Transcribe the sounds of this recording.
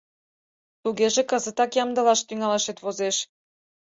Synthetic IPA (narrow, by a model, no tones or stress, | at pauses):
t̪uɣeʒĕkɤ̆zə̆t̪ɑkjɑmd̪ɤ̆lɑʃt̪yŋɑleʃet̪βozeʃ